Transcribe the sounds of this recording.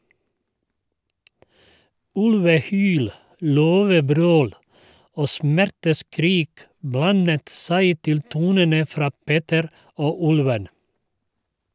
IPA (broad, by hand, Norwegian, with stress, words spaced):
ˈʉlʋəˌhyːl ˈløːʋəˌbɾøːl ˈoː ˈsmæɾtəˌskɾiːk ˈblɑnət ˈsæɪ ˈtɪl ˈtuːnənə ˈfɾɑː ˈpeːtəɾ ˈoː ˈʉlʋən